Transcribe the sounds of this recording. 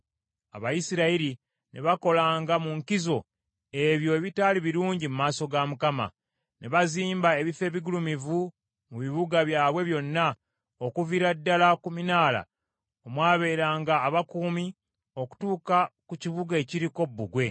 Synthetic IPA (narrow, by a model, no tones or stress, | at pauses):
a̰βajisiɾaiɾi | nʔeβako̞laːŋɡamuŋkizo̞ | e̞βjo̞eβitaːliβiɾuːɲɟimumaːso̞ɡamukama̰ | ne̞βaziːmbae̞βife̞ːβiɡulumivu | muβiβuɡaβjaːβwe̞βjo̞nːa | okuviɾadːalakuminaːla̰ | omwaːβe̞ːɾaːŋɡaːβakuːmi | o̞ku̥tuːkakuciβuɡae̞ciɾiko̞bːuɡwe̞